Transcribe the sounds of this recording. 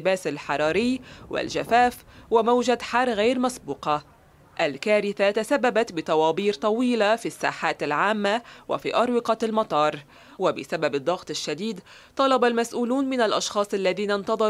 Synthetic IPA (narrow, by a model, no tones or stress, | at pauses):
ɪbaːsalħɑɾˤɑːɾɪjːwɪ̰lʒafaːf | wamawʒad̪ħɑrˤːɣaːɾmasbuːqɑ | ʔalkaːɾɪθat̪asabːabat̪bɪt̪ˤɑwɑːbiːɾt̪ˤɑwiːlafisːa̰ːħaːt̪alʕaːmːawa̰fḭːʔɑɾˤwɪqɑlmɑt̪ˤɑːɾˤ | wabɪsababɨd̪ˤːɑɣt̪ˤɪʃːad̪iːd̪ | t̪ˤɑlɑbalmasʔuːluːnmɪnalʔɑʃxɑːsˤʔalːaðiːnant̪ɑðˤɑɾ